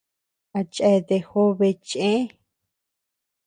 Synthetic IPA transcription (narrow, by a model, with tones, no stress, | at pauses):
a˨t͡ʃʼɛ˧ðe˧xo˦βe˧t͡ʃʼẽ˦